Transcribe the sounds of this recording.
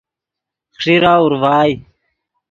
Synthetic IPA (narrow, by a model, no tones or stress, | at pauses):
xʂiɾaːuɾvaːj